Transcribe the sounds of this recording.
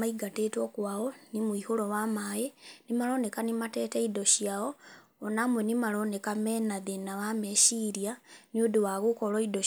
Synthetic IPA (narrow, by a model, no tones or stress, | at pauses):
aiɡatetokwaːɣonimwihulowamajenimalo̞nekanimateːteidoʃjao | onamwenimalonekameːnaðenawameʃiɾjaniodiwaɣukoloido